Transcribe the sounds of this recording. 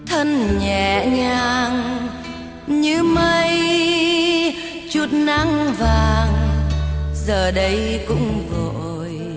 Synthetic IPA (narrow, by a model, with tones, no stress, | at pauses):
t̪ʰə˧nɲɛ̰˧˩˨ɲaː˧ŋ | ɲɨ˧˦mə˧j | t͡ɕu˨˧˩t̚na˧˥ŋvaː˨˩ŋ | zəː˨˩ɗə˨˦jkʊ̰˧˥ŋ͡mvo˧˨ | j